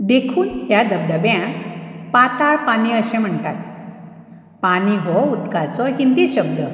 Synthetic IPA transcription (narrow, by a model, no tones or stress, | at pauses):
d̪ekʰuːnɦjad̪əb̚d̪əbjãpat̪aɭpaniːəɕẽm̤əɳt̪at̪̚ | paniɦɔud̪kat͡sɔɦind̪iɕəb̚d̪ə